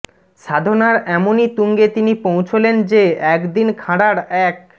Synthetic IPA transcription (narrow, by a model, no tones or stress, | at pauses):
ʃad̪ʱonaɾɛmonit̪uŋɡet̪inipowt͡ɕʰolend͡ʑeɛkd̪inkʰãɽaɾɛk̚